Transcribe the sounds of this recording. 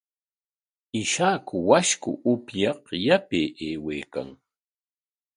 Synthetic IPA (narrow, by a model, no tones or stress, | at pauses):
ɪʃakʊwaʃkʊ̰ʔʊpjɑqjapeʔeːweːka̰ŋ